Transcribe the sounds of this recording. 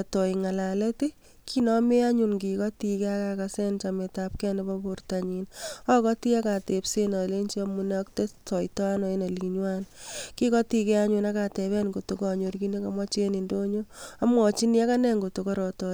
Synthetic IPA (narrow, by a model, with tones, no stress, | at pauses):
tɔ˨iŋa˨la˨le˦ti˦ | kʰi˦nɔme˦a˦ɲunɡi˨kɔ˦ti˨kɛ˦akakasɛ˦nt͡ʃame˨tap̚kɛ˦nebɔportaɲinɔ˦kɔ˦ti˦a˦ka˨te˨psena˨le˦nt͡ʃi˦ɔmu˦neɔkte˦tɔ˨jtɔ˦a˦nɔ˦e˦ne˨liɲwanki˦kɔ˦ti˧kɛ˦a˦ɲuna˦ka˨tɛ˨βɛ˦nɡo˨tukɔ˨ɲo˨ɾki˦ne˦ka˨ma˦t͡ʃe˦ni˨ndo˦ɲoa˦mwɔ˨t͡ʃi˦nia˦ka˦nɛ˦ŋɡo˨tokɔɾɔtɔ